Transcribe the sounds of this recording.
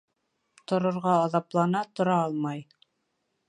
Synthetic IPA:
t̪ŏɾŏɾʁɑːðɑplˠɑnɑt̪ŏɾɑɑlˠmɑj

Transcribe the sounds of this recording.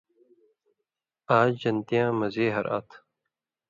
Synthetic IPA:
aːd͡ʑd͡ʑɐnt̪ijãːmɐzeːɦɐ̰ɾʔa̰ːt̪ʰ

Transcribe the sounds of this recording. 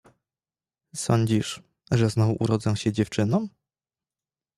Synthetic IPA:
sɔɲd͡ʑiʂ | ʐɛznɔvuʔuɾɔd̪zɔ̃w̃ɕɛd͡ʑɛft͡ʂɘnɔ̃

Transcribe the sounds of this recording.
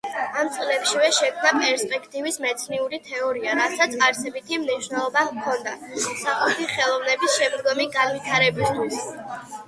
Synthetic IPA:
amt̪sʼlɛpʃivɛʃɛkʰmnapʼɛɾspʼɛkʰt̪ʼivismɛt̪sʰniuɾit̪ʰɛɔɾiaɾasat̪sʰaɾsɛbit̪ʰimniʃwnɛlˠɔbakʰɔnd̪asaχlˠɛt̪ʰiχɛlˠɔvnɛbisʃɛmd̪ɡɔmiɡanvit̪ʰaɾɛbist̪ʰwis

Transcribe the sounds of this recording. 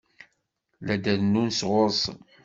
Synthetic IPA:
læd̪æðnːunsʁoɾˤsˤ

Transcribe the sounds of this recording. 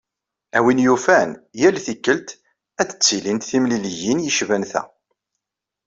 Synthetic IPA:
æwinjufænjælθikːəlt̪ | æd̪ə̥t͡sːilint̪θimliljinjəʃvænθæ̰

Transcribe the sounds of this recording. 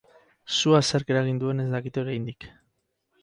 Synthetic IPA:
suaseɾke̞ɾaɣ̞ind̪ue̞ne̞zd̪akit̪eo̞ɾajnd̪ik

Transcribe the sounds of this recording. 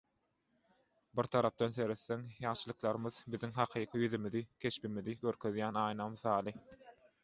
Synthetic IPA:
biɾt̪ʰɑɾɑp̚d̪ɑnse̞ɾeθːeŋjɑɴʃɯlˠɯqlˠɑɾɯmɯðbiðiŋɦɑqʰɯːqʰɯjyðymiðikʲʰe̞ʃpimiðiɡøɾkʰø̞ðjæːnɑːjnɑmθɑːlˠɯ

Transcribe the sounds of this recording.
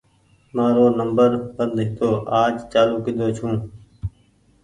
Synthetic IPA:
mãːɾoːnəmbəɾbənd̪ɦɪt̪oːʔaːd͡ʒt͡ʃaːluːkɪd̪oːt͡ʃʰũː

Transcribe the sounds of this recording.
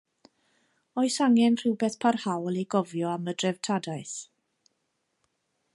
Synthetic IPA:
ɔɨsaŋɛnr̥ɪwbɛθpʰarhawlˠiɡɔvjɔamədrɛv̥tʰadaɨθ

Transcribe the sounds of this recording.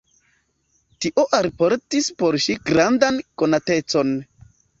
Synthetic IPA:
tiʔo̞ʔaɾpo̞ɾtispo̞ɾʃiɡɾandanko̞nate̞t͡so̞n

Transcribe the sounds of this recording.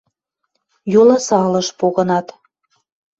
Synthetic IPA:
julɑsɑlɤʃpoɣə̆nɑt̪

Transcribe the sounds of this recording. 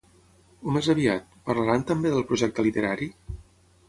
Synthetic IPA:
umezəβiat̪pəɾləɾant̪əmbeðəlˠpɾuʒɛk̚t̪əlit̪əɾaɾi

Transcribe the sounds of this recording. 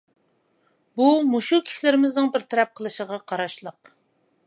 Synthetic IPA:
bumuʃukʲʰi̥ʃilɪɾɪmɪznɨŋbɪɾt̪ʰeɾɛp̚qʰəlˠɨʃəʁɑqʰɑɾɑʃlˠəq

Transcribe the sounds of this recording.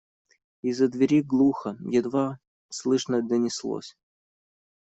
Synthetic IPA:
izːəd̪vʲɪɾʲiɡlˠuxəjɛd̪va | slˠɨʂnəd̪ənʲɪslˠo̰sʲ

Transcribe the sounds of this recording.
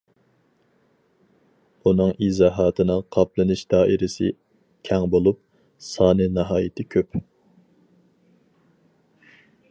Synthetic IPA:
unɨŋizɑːɦɑːt̪ʰɨnɨŋqʰɑplˠɨnɨʃd̪̥ɑːʔiɾɪsɪ̰ | kʲʰɛŋbolˠup̚ | sɑːnɨnɨɦɑːjɪt̪ʰɪkʲʰøp

